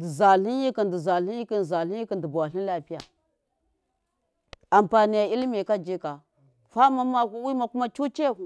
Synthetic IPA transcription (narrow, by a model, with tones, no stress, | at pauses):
di˨za˨ɬi˦n˦ji˦ki˨ndi˨za˨ɬi˦ji˦ki˦n˨za˨ɬi˦i˦ki˨ndi˨ba˨wa˨ɬi˦n˦la˦pi˦ja̰˨ | a˨mpa˨ni˨ja˨i˦lmi˨ka˦d͡ʒi˦ka˨ | fa˦ma˦ma˦ku˦wi˦ma˨ku˦ma˦t͡ʃu˦t͡ʃe˦˨ku˨